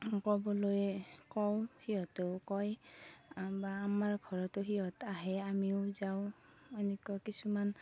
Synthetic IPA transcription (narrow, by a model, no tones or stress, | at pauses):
kɔbɔlojkɔwhiɦɔtɔwkɔj | baːmaɹɡʱɔɹɔtʊɦiɦɔtaɦɛamiʊzawenɛkuakisuman